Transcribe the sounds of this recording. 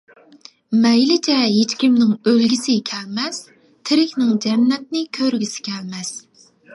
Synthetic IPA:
mɛjlɪt͡ʃʰɛɦet͡ʃkʲimnɪŋølɡʲisɪkʲʰɛlmɛs | t̪ʰɪɾɪkʲnɪŋd͡ʒɛnːɛt̪̚nɪkʲʰøɾɡʲisɪ̥kʲʰɛlmɛs

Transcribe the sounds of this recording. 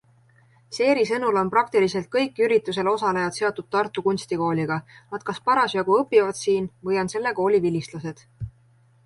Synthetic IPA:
se̞ːɾisɤ̞nulo̞npɾɑk̚t̪ilise̞lt̪̚kɤjkːˑyɾit̪ːˑuse̞lo̞sɑle̞jɑd̪̥se̞ot̪ːˑud̪̥̚t̪ɑrt̪ːˑukunʲst̪iko̞ːlʲiɡ̥ɑvɑt̪̚kɑspɑɾɑsjɑɡ̥uɤpːivɑd̪̥siːnvɤjɑnse̞lːe̞ko̞ːlʲivilist̪lɑse̞d̪̥

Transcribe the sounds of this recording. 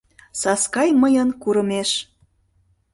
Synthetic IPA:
sɑskɑjməjənkuɾəmeʃ

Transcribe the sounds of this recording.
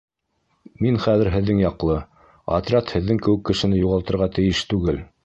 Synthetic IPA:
minχæðɘɾɦɘ̆ðːɘŋjɑqlˠɤ | ɑ̰t̪rʲat̪hɘ̆ðːɘŋkɘ̆wɘkːɘ̆ʃɘ̆nɘjuʁɑlˠt̪ɤ̆ɾʁɑt̪ɘ̆jɘʃt̪ʉɡɘl

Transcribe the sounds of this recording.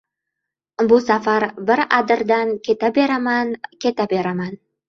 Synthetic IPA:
bʊsafaɾbɪɾad̪ɪɾd̪ankʲʰe̞t̪abe̞ɾamankʲʰe̞t̪abe̞ɾaman

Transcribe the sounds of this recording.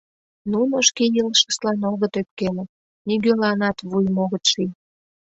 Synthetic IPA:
nunoʃkejiləʃə̆slɑnoɣət̪øpkelĕ | niɣølɑnɑt̪βujmoɣət̪ʃi

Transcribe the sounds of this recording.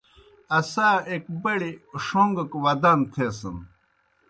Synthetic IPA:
ɐsaːek̚bɐɽiʂoŋɡɐkwɐd̪aːnt̪ʰeːs̬ɐn

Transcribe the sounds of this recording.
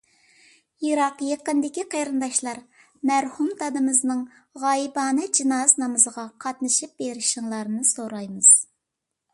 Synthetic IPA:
iɾɑqjeqənd̪ɪkʲiqʰeɾɨnd̪ɑʃlˠɑɾ | mæɾhumt̪ɑd̪ɨmɨznɨŋ | ʁɑjibɑːnɨd͡ʒinɑznɑmɨzəʁɑqʰɑt̪nɨʃip̚beɾɪʃiŋlˠɑɾɨnɨsoɾɑjmɨz̥

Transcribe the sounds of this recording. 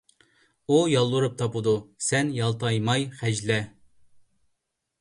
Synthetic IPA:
ujɑlˠːuɾup̚t̪ʰɑpɨd̪usɛnjɑlˠt̪ʰɑjmɑjχæd͡ʒlɛ

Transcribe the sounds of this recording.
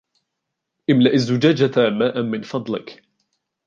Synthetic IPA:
ʔɪmlaʔazːʊd͡ʒad͡ʒat̪amaːʔamɪnfɑd̪ˤlɪ̰k

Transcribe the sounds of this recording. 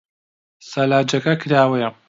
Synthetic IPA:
sɐlaːd͡ʒɐkɐkʰɨɾaːwɐjɐ

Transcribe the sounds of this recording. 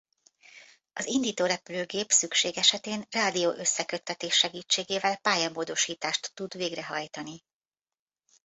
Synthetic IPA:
ɒzind̪iːt̪oːɾɛpyløːɡeːpsykʃeːɡɛʃɛt̪eːnraːd̪ijoːʔø̞sːɛkø̞t̪ːɛt̪eːʃːɛɡiːt͡ʃːeːɡeːvɛlpaːjamoːd̪o̞ʃiːt̪aːʃt̪ːud̪ʋeːɡrɛɦɒjt̪ɒni

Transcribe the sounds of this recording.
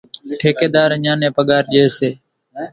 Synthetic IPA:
ʈʰeːkeːd̪aːɾɲãːnẽːpəɠaːɾʄeːseː

